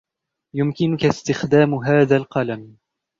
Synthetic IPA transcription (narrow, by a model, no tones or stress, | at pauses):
jʊmkɪnʊkast̪ɪxd̪aːmʊɦaːðalqɑlam